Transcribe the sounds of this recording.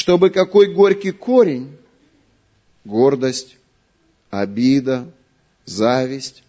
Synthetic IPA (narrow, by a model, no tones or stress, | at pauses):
ʂt̪o̞bɨkɐko̞jɡo̞ɾʲkʲɪjkoɾʲɪnʲ | ɡo̞rd̪əsʲtʲ | ɐbʲid̪ə | zavʲɪsʲtʲ